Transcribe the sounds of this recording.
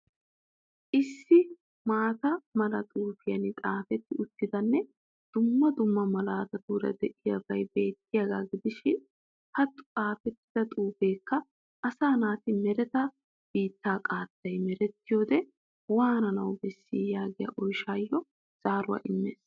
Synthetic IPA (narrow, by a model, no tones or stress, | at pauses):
ʔɪsːɪ | maːt̪ɐmɐlɐt̪ʼuːfɪjɐnɪt̪ʼaːfɛt̪ːɪʊt̪ːɪd̪ɐnːɛ | d̪̥ʊmːɐd̪ʊmːɐmɐlaːt̪ɐd̪uːɾɐ̰d̪ɛʔɪjɐbɐjbe̞ːt̪ːɪjɐɡaːɡɪd̪ɪʃɪn | hɐt̪ːʊ̥t̪ʼaːfɛt̪ːɪ̥d̪ɐt̪ʼuːfeːkːɐ | ʔɐsaːnaːt̪ɪmɛɾɛt̪ɐ | b̥iːt̪ːaːkʼaːt̪ːɐjmɛɾɛt̪ːɪjo̞ːd̪ɛ | waːnɐnɐwbɛsːɪːjaːɡɪjɐ̰ʔɔjʃaːjːɔ | z̥aːɾʊwɐ̰ʔɪmːḛːs